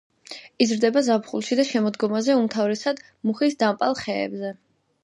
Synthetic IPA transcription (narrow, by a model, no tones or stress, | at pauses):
izɾd̪ɛbazapχulˠʃid̪aʃɛmɔd̪ɡɔmazɛumt̪ʰavɾɛsad̪ | muχisd̪ampʼalˠχɛ̰ːbzɛ